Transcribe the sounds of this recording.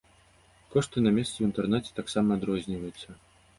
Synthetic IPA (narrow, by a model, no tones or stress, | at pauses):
kɔʂt̪ɨnamʲɛst̪sɛwint̪ɛrnɛt͡sʲɛ̥t̪aksamɐːd̪ɾɔzʲnʲivɐjut̪sːɐ